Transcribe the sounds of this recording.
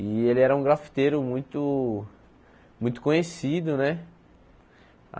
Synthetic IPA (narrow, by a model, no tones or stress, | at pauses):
ɪelɪɛɾɐũɡɾafi̥t̪eɾʊmũj̃t̪ʊ | mũj̃t̪ʊ̥kõɲesid̪ʊnɛ